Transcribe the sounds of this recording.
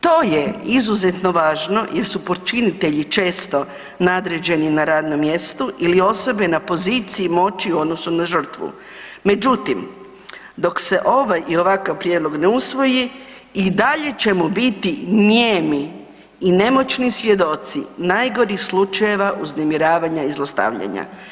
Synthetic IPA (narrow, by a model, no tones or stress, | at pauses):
t̪o̞ːjeizuze̞t̪no̞ʋaːʒno̞jeɾsupot͡ʃinit̪e̞ʎit͡ʃe̞ːst̪o̞ | nad̪ɾe̞d͡ʑe̞ninaɾaːd̪no̞mːje̞st̪uʔilio̞so̞benapo̞ziːt̪siimo̞t͡ʃiuo̞d̪nosunaʒr̩t̪ʋṵ | me̞d͡ʒut̪im | d̪o̞kse̞ʔo̞ʋajʔio̞ʋakaʋpɾjeːd̪lo̞ɡneusʋo̞ji | id̪aʎe̞t͡ɕe̞mubit̪iɲeːmiː | ne̞mo̞t͡ʃnisʋje̞d̪o̞t̪sḭnajɡo̞ɾixslut͡ʃaje̞ʋaʔuznemiɾaːʋaɲaizlˠost̪a̰ʋʎa̰ɲa̰